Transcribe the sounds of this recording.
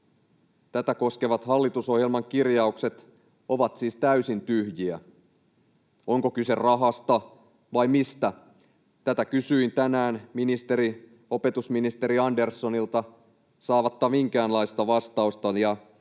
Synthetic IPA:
t̪æt̪æko̞skeʋɑt̪hɑlːit̪uso̞hjelmɑŋkirjɑukse̞t̪ | o̞ʋɑt̪siːst̪æysint̪yhjiæ̰ | o̞ŋko̞kyserɑɦɑst̪ɑ | ʋɑjmist̪æ | t̪æt̪ækysyint̪ænæːnminist̪e̞ɾi | o̞pe̞t̪usminist̪e̞ɾiɑnde̞rsːonilt̪ɑ | sɑːʋɑt̪ːɑmiŋkæːnlɑist̪ɑʋɑst̪ɑust̪ɑjɑ

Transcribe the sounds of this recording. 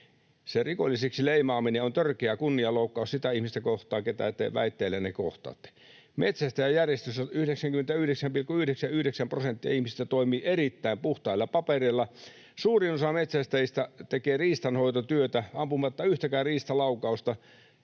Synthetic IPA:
serikolʲːiseksileimɑːmineont̪ørkeækunːiɑloukːɑˑussit̪æihmist̪ækoht̪ˑɑːket̪æ̰ˑt̪ːˑḛʋʋæ̰it̪ːeːlːeneko̰ht̪ɑ̰ːt̪ː | mʔet̪sæst̪æjæjærjest̪øst̪æyhdeksæŋkyment̪æyhɾeksæmpilkuyhdeksæyhdeksæmprosent̪ːiɑ̰ihmist̪æt̪oimiːʔerit̪ːæimpuht̪ɑilːɑpɑperilːɑ | suːrinosɑmet̪sæst̪æist̪æt̪ekeːriːst̪ɑnhoit̪ot̪yøt̪æɑmpumɑt̪ːɑyht̪ækæːriːst̪ɑlɑukˑɑust̪ɑ

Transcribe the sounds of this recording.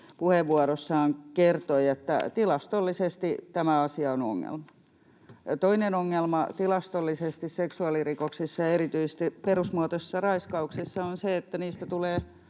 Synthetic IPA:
puheʋːuɑɾosːɑːŋkert̪oiet̪ːæ̰t̪ilɑst̪olːisest̪it̪æmæɑsiɑono̰ŋːḛlmɑ | t̪oinenoŋːelmɑt̪ilɑst̪olːisest̪isseksuɑlirikoksisːɑjɑeɾit̪yisest̪iperusmuɑt̪ossːɑrɑiskɑuksisːɑonseet̪ːæniːst̪æt̪uleː

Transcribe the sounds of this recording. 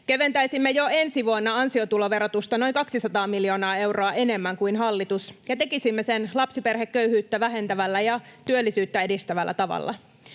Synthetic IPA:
keʋe̞nt̪æjsimːejoe̞nsiʋuonːɑɑnsio̞t̪ulo̞ʋe̞ɾot̪ust̪ɑno̞jŋkɑksisɑt̪ɑːmiljo̞ːnɑːe̞wroɑʔe̞ne̞mːæŋkuinɦɑlːit̪usjɑt̪e̞kisimːesenlɑpsipe̞rhekːøyhyːt̪ːæʋæɦe̞nt̪æʋælːæjɑt̪yølːisyːt̪ːæe̞dist̪æʋælːæ̰t̪ɑʋɑ̰lːɑ̰

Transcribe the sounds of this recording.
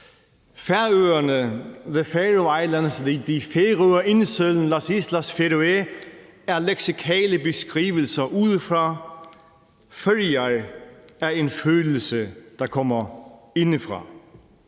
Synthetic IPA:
fæɐøːɐnəðəfɛdɔɑɪlænsðid̥ifeʁøːɐʔe̝nəsøln̩lɑsislæsfeɾoe | æɐleɡ̥sikʰɛ̰ːləbe̝sɡ̥ʁḭːʋəl̩sɐʔuðˠfʁɑ | fødiɑɪæɐe̝nføːll̩səd̥ɑ̈kʰɒm̰ɐ | e̝nəfʁɑ̈

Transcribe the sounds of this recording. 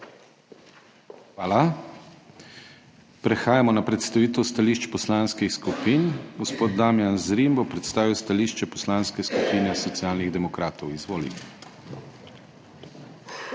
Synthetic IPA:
xʋaːla | pɾɛxaːjamɔnapɾɛt̪st̪aʋiːt̪ɛwst̪aliːʃt͡ʃpɔslanskixskupiːnɡɔspoːd̪d̪amjanzɾimbɔpɾɛt̪st̪aːʋiwst̪aliʃt͡ʃɛpɔ̥slaːnskɛskupiːnɛsɔt̪sjaːlniɣd̪ɛmɔkɾaːt̪ɔwizʋoːlḭ

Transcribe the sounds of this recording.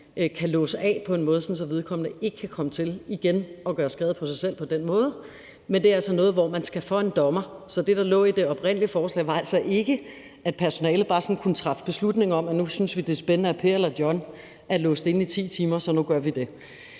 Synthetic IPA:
kʰælɔ̰̽ːsəʔɛ̰ːpʰɒ̽e̝nmɔ̽ːð̞ˠsɒ̽nsɒ̽ʋeð̞ˠkʰɒ̽m̰nəe̝ɡ̥əkʰːækʰɒ̽mət͡sʰe̝liɡ̥enɒ̽ɡ̥ɶːɐsɡ̥ʁɛːð̩ˠpʰɒ̽sɑ̈ɪsel̰pʰɒ̽d̥enmɔ̽ːð̞̩ˠ | mend̥e̝ælsɒnɔ̽ːð̞̩ˠʋɒmænsɡ̥æfɒ̽e̝nd̥ɒ̽mɐsɒ̽d̥e̝d̥ɑ̈lɔ̰̽ːid̥e̝ɒ̽b̥ʁen̰liəfɒːslɛ̰ːʋɑ̈æl̰sɒ̽ʔe̝ɡ̥ə | ʔæd̥̚pʰæɐso̝nɛ̰ːlð̩ˠb̥ɑ̈ːsɒ̽n̩kʰunt͡sʰʁɑ̈fə̥b̥e̝slud̥ne̝ŋɐɒ̽m̰ænusynsʋid̥e̝sb̥ennəæpʰe̝̰ɐelɐd̥jɒ̽n | ælɔ̽ːsd̥e̝nit͡sʰḭːt͡sʰiːmɐsɒ̽nuɡ̥ɶɐʋid̥e̝

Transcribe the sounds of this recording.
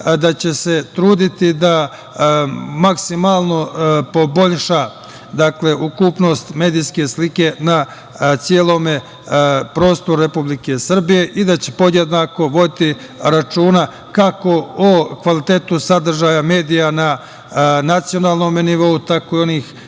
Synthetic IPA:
d̪at͡ɕe̞se̞t̪ɾuːd̪it̪id̪a | maksimaːlˠno̞po̞bo̞ʎʃa | d̪akle̞ʔukuːpno̞st̪me̞ːd̪ijske̞slike̞na | t̪sijeːlˠo̞ːme | pɾo̞ːst̪oɾuɾe̞publike̞sr̩bije̞ʔid̪at͡ɕe̥po̞d̪jed̪nako̞ʋo̞d̪it̪i | ɾat͡ʃuːna | kako̞okʋalit̪e̞ːt̪usad̪r̩ʒaːjame̞ːd̪ijana | nat̪sio̞naːlˠno̞ːmeniʋo̞ut̪akoio̞niːx

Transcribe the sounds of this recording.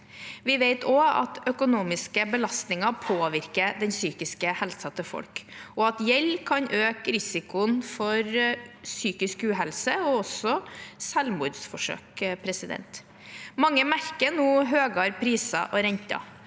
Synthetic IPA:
ʋɪʋeɪt̪ʰoːɑ̰t̪œkʊnuːmɪskəbəlɑst̪nɪŋɑpʰoːʋɪɾkəd̪ɛnsyːkɪskəhɛlsɑt̪əfɔ̰lkɔɑt̪jɛlkʰɑnʔøːkɾɪsɪkʊnfɔɾsyːkɪskʉːɦɛlsəɔɔsɔsɛlmuːd̪sfɔʂø̰ːkpʰɾɛsɪd̪ɛ̰nt̪ | mɑŋːəmæɾkənuːɦøːɡɑɾpʰɾiːsɑ̰ʔɔɾɛɲt̪ɑ̰

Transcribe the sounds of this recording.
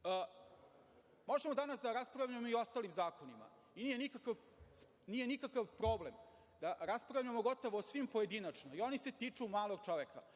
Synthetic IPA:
ə | mo̞ʒemod̪anasd̪aɾaspɾavʎujemoio̞st̪aːlimzaːko̞nima̰ | inijenikakaʋ | nije̞nikakaʋpɾoblem | d̪aɾaspɾavʎuemoɡo̞t̪oʋoːsʋimpoje̞d̪inat͡ʂnoio̞niset̪iːt͡ʂumaːlˠoɡt͡ʃo̞ʋeka

